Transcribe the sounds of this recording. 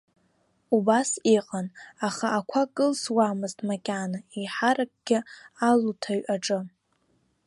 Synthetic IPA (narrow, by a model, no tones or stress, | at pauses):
ubasiqʼanaχaːkʷʰakʼɨlswamɨztʼmakʲʼanaiħaɾak̚ʼɡ̥ʲɪalutʰaɥʔaʈ͡ʂʼɨ